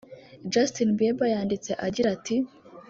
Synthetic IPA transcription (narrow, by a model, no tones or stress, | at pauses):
d͡ʒastinbebajaːndit͡se̞ʔaɟiɾati